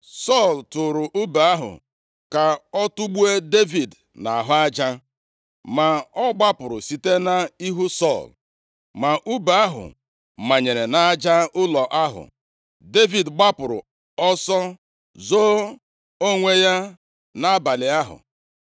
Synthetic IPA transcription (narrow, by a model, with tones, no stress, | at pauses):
sɔ˦˨ltʊ˨ɾʊ˨ʔu˦ba˨a˦ɦʊ̰˨ | ka˨ɔ˦tʊ˦ɡ͡bu˦e˦de˦vi˨d | na˨a˨ɦʊ˦a˦d͡ʒa˦ | ma˨ɔ˦ɡ͡ba˦pʊ˨ɾʊ˨si˨te˦na˦i˦ɦu˦sɔ˦˨l | ma˨ʔu˦ba˨a˦ɦʊ̰˨ | ma˨ɲe˨ɾe˨na˦a˦d͡ʒa˦ʊ˦lɔ˨ʔa˦ɦʊ̰˨ | de˦vi˨dɡ͡ba˦pʊ˨ɾʊ̰˨ | ɔ˦sɔ˦ | zo˦ | o˦ŋʷe˦ja˦ | na˦a˦ba˨lɪ˨a˦ɦʊ̰˨